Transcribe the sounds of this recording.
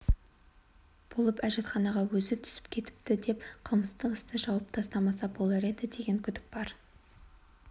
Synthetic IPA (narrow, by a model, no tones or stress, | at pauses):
b̥o̞lˠəpæʒe̞t̪χɑnɑʁɑwɵzɪt̪ʰʏ̥sɪ̥p̚kʲʰe̞t̪ɪ̥p̚t̪ɪd̪e̞pqʰəlˠməst̪əqəst̪əʒɑwɑp̚t̪ʰɑst̪ɑmɑsɑbo̞lˠɑɾe̞d̪ɪd̪e̞ɡʲe̞ŋkʲʰʏd̪ɪk̚bɑɾ